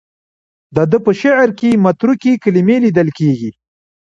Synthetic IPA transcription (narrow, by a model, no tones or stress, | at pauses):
d̪əd̪əpəʃaʕɾkemat̪ɾukikalimelid̪əlkeɡi